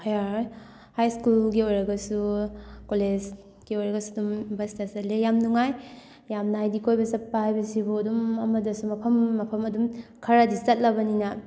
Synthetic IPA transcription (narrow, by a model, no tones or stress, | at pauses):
hajaj | hajskulɡiojɾɐɡɐsukoled͡ʒ | ɡ̥iojɾɐɡɐsudumbɐstʰasɐtlejamnuŋaj | jamnaajdikojbɐsɐpːajbɐsiboɐdumɐmɐdɐsumɐpʰɐmːɐpʰɐmɐdumkʰɐɾadisɐt̚lɐbɐninɐ